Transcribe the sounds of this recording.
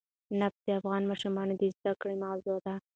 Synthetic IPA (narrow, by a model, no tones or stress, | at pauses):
napd̪̥eafɣɑnmɑʃumɑnd̪ezd̪akɽimɑwzod̪a